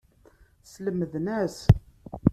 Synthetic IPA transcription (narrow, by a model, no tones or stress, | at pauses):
sləmːəðnæs